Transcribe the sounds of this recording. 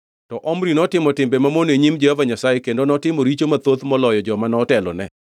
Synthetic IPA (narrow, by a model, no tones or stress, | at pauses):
tɔʔɔmɾinɔtɪmɔtɪmbemamoneɲimd͡ʒɛhovaɲasajekendonɔtɪmoɾit͡ʃomat̪ot̪mɔlɔjɔd͡ʒɔmanɔtɛlɔ̰nɛ